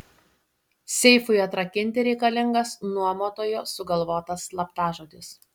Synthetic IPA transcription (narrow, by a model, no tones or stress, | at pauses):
sʲɛɪfʊɪɐt̪ɾɐkʲɪnʲt̪ʲɪɾʲɛɪkɐlʲɪŋɡɐsnuɔmoːt̪oːjoːsʊɡɐlˠʋoːt̪ɐslˠɐpt̪ɑːʒoːd̪ʲɪs